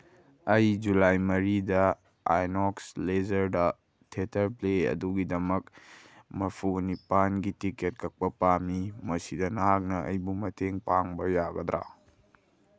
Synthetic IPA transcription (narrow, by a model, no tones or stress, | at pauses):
ɐjd͡ʒulajmɐɾidɐ | a̰jnoksled͡ʒɐɾdɐ | tʰetʰɐɾpleɐ̰duɡidɐmɐk̚ | mɐpʰunipanɡitiket̚kʰɐk̚pɐpamimɐsidɐnɐɦak̚nɐɐ̰jbumɐtʰeŋpaŋbɐjaɡɐdɾa̰